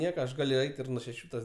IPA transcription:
ˈnʲiɛkɐ ɐʃ ˈɡɑːlʲʊ ˈɛɪt ɪr nuɔ ʃʲɛˈʃʲuː tɐs

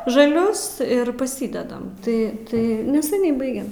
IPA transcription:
ʒɐˈlʲʊs ɪr pɐˈsʲiːdʲɛdɐm ˈtɐɪ ˈtɐɪ nʲɛsʲɛˈnʲɛɪ ˈbɐɪɡʲɛm

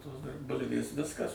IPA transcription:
ˈtoːs dɐr ˈbʊlʲʋʲeːs ˈʋʲɪskɐs

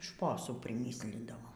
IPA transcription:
ˈʃpoːsuː pʲrʲɪˈmʲiːsʲlʲɪndɐʋoːm

